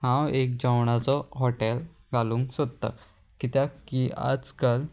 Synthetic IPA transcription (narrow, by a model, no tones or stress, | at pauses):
hãwek̚d͡ʑãwɳ̃at͡sɔɦɔʈel | ɡʱaluːŋksot̪t̪ːa̰ | kit̪jakia̰d͡zkəl